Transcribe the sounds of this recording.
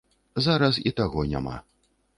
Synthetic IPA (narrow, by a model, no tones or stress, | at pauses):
zaɾɐsit̪aɣɔnʲa̰ma̰